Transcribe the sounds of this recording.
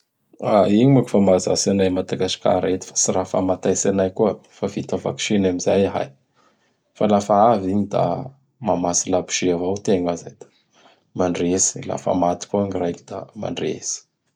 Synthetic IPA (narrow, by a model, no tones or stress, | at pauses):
aiɲimaku̥famaza̰sanajmad̪aɡasi̥ka̰ɾet̪i̥fḁsiɾafa̰mat̪ajsanajkuəfavit̪əva̰ksinamizajɦa̰j | falafaaviɲid̪a̰ | mamasilabi̥ʃiavawt̪eŋazajd̪̥ḁ | maɳɖ͡ʐesi̥la̰fa̰mat̪i̥kuaŋirajkid̪̥a̰ma̰ɳɖ͡ʐḛsi̥